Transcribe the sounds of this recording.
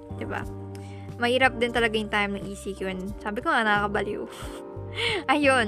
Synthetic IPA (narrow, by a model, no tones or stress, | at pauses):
d̪̥ɪba̰ | mɐhiːɾɐp̚d̪ɪnt̪ɐlɐɡajʊŋt̪ajmnɐŋʔiːsikonsaːbɪkonnɐkakɐbɐljo̰ | ʔɐjon